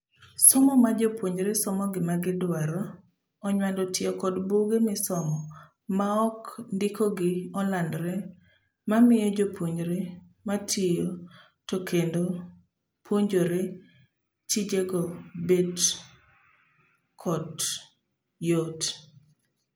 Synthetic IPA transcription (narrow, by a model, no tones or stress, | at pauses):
sɔmɔmad͡ʒopwoɲɾesɔmɔɡɪmaɡɪdwaɾɔ | ɔɲwandɔtɪɔkɔdboɡemɪsɔmɔ | maɔkndɪkʰoɡɪɔlandɾe | mamɪjɔd͡ʒopʰoɲɾe | matʰɪjo | tokʰendo | pʰwoɲd͡ʒoɾe | tid͡ʒeɡɔbed | kʰɔd | jot